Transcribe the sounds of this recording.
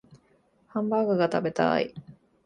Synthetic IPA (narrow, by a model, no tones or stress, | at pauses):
hãmbaːɡɯɡat̪abe̞t̪a̰ḭ